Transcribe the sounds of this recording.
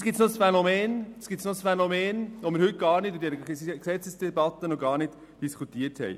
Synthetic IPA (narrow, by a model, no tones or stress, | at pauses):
sɡ̥ɪtt͡ssnosfɛnomɛːnsɡ̥it͡snosfɛnomɛːnʋomɪːɾhɵt̚ɡ̥ɑːɾnɪtʊdɛːɾəksɛt͡səsd̥ɛbɑtənoɡɑːɾnɪd | d̥iskʰutiːəɾthɛ̰j